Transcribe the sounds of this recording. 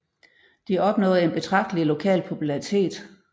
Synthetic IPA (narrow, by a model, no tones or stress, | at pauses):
d̥iɒ̽b̥nɔ̰̽ːð̩ˠe̝nb̥e̝t͡sʰʁɑ̈ɡ̥̚d̥əlilo̝kʰɛ̰ːlpʰo̝pʰulɑʁit͡sʰe̝̰ːd̥